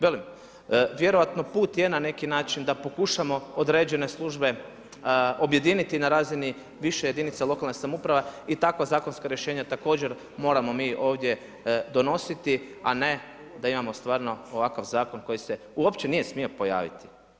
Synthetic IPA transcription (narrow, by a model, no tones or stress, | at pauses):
ʋelim | ʋje̞ɾo̞ʋat̪no̞puːt̪je̞nane̞kinaːt͡ʃind̪apo̞kuʃamo̞od̪ɾe̞ːd͡ʑe̞ne̞slˠuʒbe̞ | o̞bje̞d̪iːnit̪inaɾaːzini | ʋiʃeje̞d̪init̪salˠo̞kalˠnesamupɾaʋeit̪akʋazaːko̞nskaɾjeʃeːɲat̪ako̞ːd͡ʑe̞ɾ | mo̞ːɾamo̞miːʔo̞ːʋd̪je̞ | d̪o̞no̞sit̪ia̰ne | d̪aimamo̞st̪ʋaːɾno̞oʋakaʋzaːko̞nko̞jise̞ | uo̞pt͡ɕe̞nije̞smio̞po̞ja̰ːʋḭt̪i̥